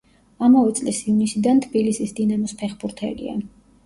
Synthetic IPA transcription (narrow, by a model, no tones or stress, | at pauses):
amavɛt̪sʼlisivnisid̪ant̪ʰbilisisd̪inamɔspʰɛχbuɾt̪ʰɛ̰lḭa̰